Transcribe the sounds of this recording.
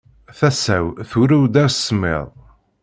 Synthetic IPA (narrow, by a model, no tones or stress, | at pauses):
θæsæ̰wθuɾæwd̪æɾssːəmːḛðˤ